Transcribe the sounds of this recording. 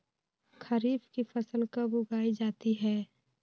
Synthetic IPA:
kʰəɾiːbkifʰəsəlkəbʊɡaːid͡ʒaːt̪iɦɛː

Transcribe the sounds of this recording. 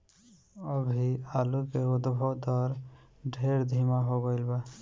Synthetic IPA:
ɔbʱiaːlukeʊd̪bʱɔd̪ɔɾ | ɖʱeɾd̪ʱimaɦoɡoɪlba

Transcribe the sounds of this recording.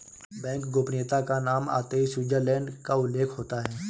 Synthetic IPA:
bɛ̃ːŋkɡoːpneːt̪akanaːma̰ːt̪eːisuːd͡ʒəɾlɛ̃ːɳɖkaʊlːeːkʰɦoːt̪aɦɛː

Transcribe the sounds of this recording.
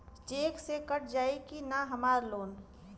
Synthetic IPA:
t͡ʃeːksekəʈ̚ʰd͡ʒaːikinaɦɐmaːɾloːn

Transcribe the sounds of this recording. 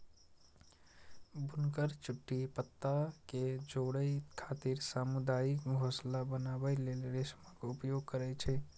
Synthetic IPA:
bʱunkəɾt͡ʃuʈːipət̪ːaked͡ʒoɽəjkʰat̪iɾsamud̪ajikɡʱoslabənabəjlelɾesməkupjoɡ̚kəɾɛt͡ʃʰɛ

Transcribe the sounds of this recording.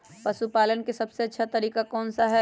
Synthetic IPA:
pɐʃupaːlənkesɐbseɐtːʃʰat̪ɐɾiːkakɔːnsaɦɛ

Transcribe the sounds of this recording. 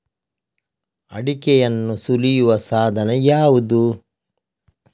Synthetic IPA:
ɐ̰ɽikɛjɐnːusulijuʋɐsaːd̪ʱɐnɐjaːʋud̪u

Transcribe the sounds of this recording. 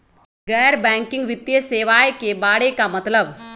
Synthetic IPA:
ɡɛjɾbɛ̃ŋkiŋɡʋit̪jeseʋajkebaɽekamət̪ləb

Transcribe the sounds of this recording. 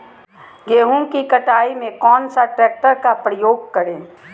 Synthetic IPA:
ɡeːɦũŋkikɐʈaːimẽkɔːnsaʈɾɛːk̚ʈəɾkapɾəjoːɡ̚kɐɾẽː

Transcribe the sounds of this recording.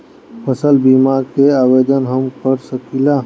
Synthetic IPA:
pʰəsəlbimaɾkeaːwed̪ənɦəmkəɾsəkila

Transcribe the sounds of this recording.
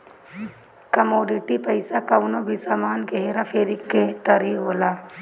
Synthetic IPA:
kəmoːɖɪʈipɐɪsakaʋʊnobʱisaːmaːnɡeɦeɾafʰeːɾɪkːet̪əɾiɦoːlaː

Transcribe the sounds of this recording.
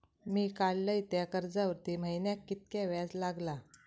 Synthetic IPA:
miːkalːəit̪jakəɾd͡zaʋəɾt̪im̤əjnjakːit̪̚kjaʋjad͡zlaɡla

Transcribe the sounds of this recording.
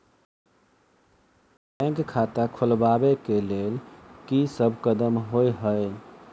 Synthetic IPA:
əɡkʰat̪akʰulbabekelelkisəbʱkəd̪əmɦojɦəe

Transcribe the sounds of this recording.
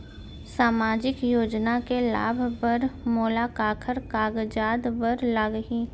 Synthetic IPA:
saːmaːd͡ʒɪkjoːd͡ʒnakela̰ːbʱpəɾmoːlakaːkʰəɾkaːɡd͡ʒaːd̪bəɾlaːɡɦi

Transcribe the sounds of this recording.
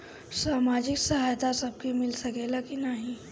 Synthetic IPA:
saːmaːd͡ʒɪksɐɦaːjt̪asɐb̚kemɪlsɐkelakinaɦĩ

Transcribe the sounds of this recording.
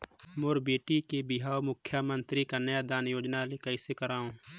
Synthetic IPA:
moːɾbeːʈikebɪɦaːomʊkʰjamə̃nt̪ɾikanəjad̪aːnjoːd͡ʒnalekəɪsekəɾaːɦõː

